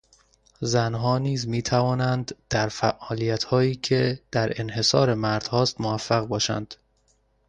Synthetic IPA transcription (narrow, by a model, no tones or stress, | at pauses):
zænɦɒːniːzmiːt̪ʰævɒːnænd̪d̪̥æɾfæ̰ʔɒːlijæt̪ʰhɒːjiːcʰe̞d̪̥æɾʔe̞nhe̞sɒ̰ːɾe̞mæɾd̪̥hɒːst̪movæfːæɣbɒːʃæ̰nd̪̥